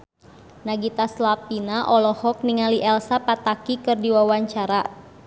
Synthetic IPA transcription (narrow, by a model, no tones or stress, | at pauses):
naɡit̪aslapinaʔɔlɔhɔk̚niŋaliʔɛlsapat̪akikɨrdiwawaɲt͡ʃaɾa